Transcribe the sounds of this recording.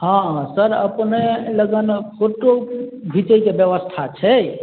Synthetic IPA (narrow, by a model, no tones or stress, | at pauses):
ɦãsəɾəpneləɡənpʰoʈobʱit͡ʃəikebjəʋəst̪ʰat͡ʃʰɛ